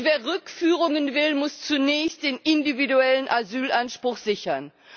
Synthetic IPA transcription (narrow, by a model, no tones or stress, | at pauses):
veːɐʁʏkfyːʁʊŋənvɪlmʊst͡sunɛːçst̚d̥eːnɪndividuɛlənʔazyːlʔanʃpʁ̥ʊxz̥ɪçɐn